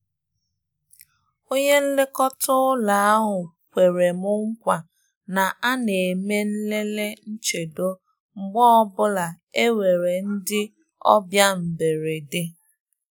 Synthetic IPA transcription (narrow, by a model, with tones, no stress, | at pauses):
o˦ɲe˦n̩˦lɪ˦kɔ˦tʊ˦la˨a˦ɦʊ˨ | kʷe˨ɾe˨mʊ˦ŋ̩˦kʷa˨ | na˨ʔa˦ne˨me˦n̩˦le˦le˦n̩˦t͡ʃe˨do˦ | ŋ͡m̩˨ɡ͡bɔ˦ɔ˦bʊ˦la˨ | e˦we˨ɾe˨n̩˦dɪ˦ | ɔ̰˦bja˦m̩˨be˨ɾe˨dɪ˦